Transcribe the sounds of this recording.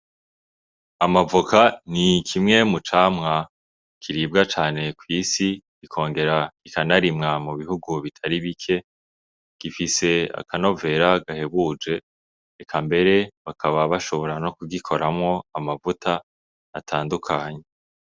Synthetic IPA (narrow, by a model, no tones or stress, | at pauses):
amavukʰanikʰimŋe̞mut͡ʃaːmŋa | kʰiɾib̚ɡat͡ʃaːne̞kwiːsiɡikʰo̞ːŋɡe̞ɾaikanaɾimŋamuβihuɡuβitʰaɾiβikʰe̞ | ɡ̥ifise̞a̰kano̞ve̞ɾaɡaheβud͡ʒe̞ː | kʰambe̞ɾe̞βakʰaβaβaʃo̞βo̞ɾano̞kuɡikʰo̞ɾʔamŋo̞amavutʰaː | tʰaːndukʰaːɲee